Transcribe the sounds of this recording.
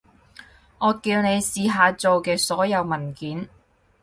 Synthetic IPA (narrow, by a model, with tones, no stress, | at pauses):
ŋɔː˨˧kiː˧wne˨˧jsiː˨ɦaː˨˧t͡so˨wkɛː˧sɔː˨˥jɐ˨˧wmɐ˨˩nkiː˨˥n